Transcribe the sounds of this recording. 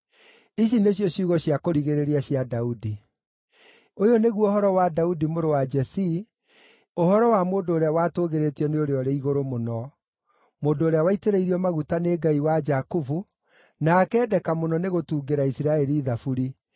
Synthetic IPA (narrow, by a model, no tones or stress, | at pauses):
iɕ̬ineɕ̬jɔɕuɣɔɕjakoɾiɣeɾeɾiaɕjadaudi | ojoneɣwɔoɦɔɾɔwadaudimoɾowad͡ʒɛsi | ohɔɾɔwamoːndoːɾeawaːtoːɣeɾetiɔneoɾeɔɾeiɣoɾomonɔ | moːndoːɾeawaiteɾeiɾiɔmaɣutaneːɡaiwad͡ʒakufu | nakɛːdɛkamonɔneɣotuːɡeɾaisiɾaɛɾiːðafuɾi